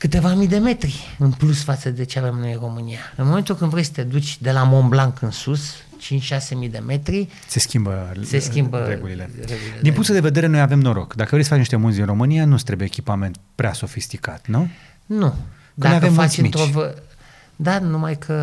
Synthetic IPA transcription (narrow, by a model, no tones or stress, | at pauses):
kɨt̪e̞vamid̪e̞me̞t̪ɾiɨnplusfat̪səd̪e̞t͡ʃe̞ave̞mno̞jɨnro̞mɨnijaɨnmoment̪ulkɨnvɾe̞jsə̥t̪e̞d̪ut͡ʃʲd̪e̞lamo̞mblaŋkɨnsus | t͡ʃint͡ʃʲʃase̞mid̪e̞me̞t̪ɾi | se̞skʲimbəse̞skʲimbəɾeɡulilereɡulild̪inpuŋk̪t̪ud̪eve̞d̪e̞ɾe̞nojave̞mno̞ɾo̰kd̪akəvɾesəaeniʃt̪emunzd̪inro̞mɨnijanust̪ɾebjeːkʲipame̞nt̪̚pɾeaso̞fist̪ika̰t̪nu | nu | aojavemfat͡ʃɨmit̪ɾt͡ʃovə | d̪anumajkʰə